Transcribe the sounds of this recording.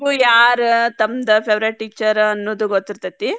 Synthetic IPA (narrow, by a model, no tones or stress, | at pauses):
uːjaːɾt̪ɐmd̪ɐpʰeʋɾɐʈːikt͡ʃɐɾɐnːoːd̪uɡot̪ːiɾt̪ɐt̪ːi